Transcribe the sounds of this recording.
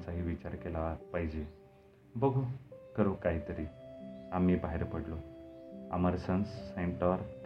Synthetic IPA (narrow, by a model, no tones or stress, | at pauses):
t͡saɦiːʋit͡ɕaɾkelapaɦid͡ʑe | bəɡʱukəɾũkaɦit̪əɾiamibaɦeɾpəɽlo | ə̰məɾsənsːẽɳʈɔɾ